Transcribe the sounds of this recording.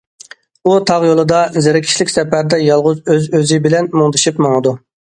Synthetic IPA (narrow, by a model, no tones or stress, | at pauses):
ut̪ʰɑʁjolˠɨd̪ɑzeɾɪkʲʰi̥ʃlɪkʲsɛpæɾd̪ɛjɑlˠʁʊzøzøzɪbɪlɛnmoŋd̪ɨʃipmoŋɨd̪u